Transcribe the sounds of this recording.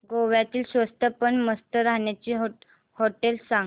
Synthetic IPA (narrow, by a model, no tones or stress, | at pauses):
ɡoʋjat̪iːlsʋəst̪ʰəpəɳməst̪ʰəɾaɦɳjat͡ɕiːɦ | hoʈelsaŋ